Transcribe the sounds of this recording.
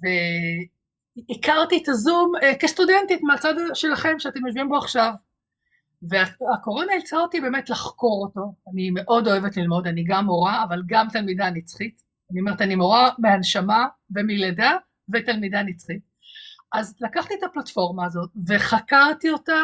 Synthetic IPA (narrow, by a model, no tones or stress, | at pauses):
ve | ikaʁtitazumekestudentitmeat͡sadʃe̞laχe̞mʃeate̞mjoʃ̬vimbo̞aχʃav | veaako̞ʁo̞nailt͡saotibe̞ːmetlaχko̞ʁo̞to̞anime̞ʔo̞do̞e̞vetlilmo̞daniɡamːo̞ʁaːvalɡamt̪almidanit͡sχit | aniomeetanimoʁameanʃamave̞mileda | vetalmidanit͡sχit̚ | ʔazlakaχtiet̪aplatfo̞ʁmaːzo̞t̚ve̞χakaʁtio̞ta